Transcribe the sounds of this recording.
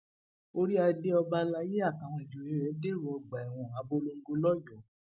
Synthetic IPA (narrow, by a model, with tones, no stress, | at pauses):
o˦ɾi˦a˧de˦ɔ˧ba˧la˧˦je˦a˦˨ka˨w̃ɔ̃˧i˨d͡ʒu˨ɾi˨˦ɾɛ˨˦de˦˨ɾu˧˦ɔ˧ɡ͡ba˨ɛ˨w̃ɔ̃˨a˨˦bo˦lo˧ŋ̩˦ɡo˧lɔ˦jɔ˨